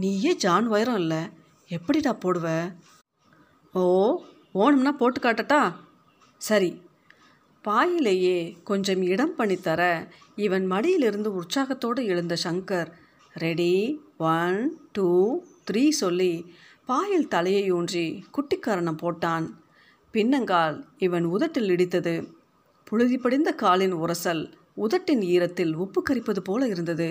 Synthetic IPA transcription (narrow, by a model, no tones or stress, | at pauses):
niːjeːd͡ʒaːnʋɐjɐɾɐ̃ɪlːɐ | ɛpːɐɽɪt̪ãːpoːɽɯʋɐ | oː | oːnɐmnaːpoːʈːɯkaːʈːɐʈːaː | sɐɾi | paːjɪleːjeːkɔɲd͡ʒɐmɪɽɐmpɐɳːit̪ːɐɾɐ | ɪʋɐnmɐɽɪjɪlɪɾɯnd̪ɯʊrsaːɣɐt̪ːoːɽɯɪɻɯnd̪ɐʃɐŋkɐɾ | ɾɛɽiʋɐnʈuːt̪ɪɾiːsɔlːi | paːjɪlt̪ɐlɐjɐuːndrikʊʈːɪkːaːɾɐɳɐmpoːʈːaːn | pɪnːɐŋɡaːlɪʋɐnʊðɐʈːɪlɪɽɪt̪ːɐðɯ | pʊɻɯðɪpːɐɽɪnd̪ɐkaːlɪnʊrɐsɐl | ʊðɐʈːɪniːɾɐt̪ːɪlʊpːɯkːɐɾɪpːɐðɯpoːlɐɪɾɯnd̪ɐðɯ